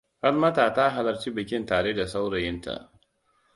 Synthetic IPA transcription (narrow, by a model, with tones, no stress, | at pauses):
ha˦rmɐ˦taː˨ta˦ɦa˨lɐ˨ɾt͡ʃiː˦bɪ˨kʲɪ˦ntaː˨ɽeː˦da˨sa˦wɽɐ˨jɪ˦nta̰˨ʔ